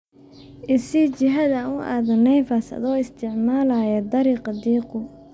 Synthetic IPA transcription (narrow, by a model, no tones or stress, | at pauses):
ʔɪsit͡ʃɪɦɐðanʊʔa̰ːðɐnɛjfɐsɐ̰ðɔːɪst̪ʰɪʕmaːlaːjɐd̪ɐɾiːqɑd̪iːqʊ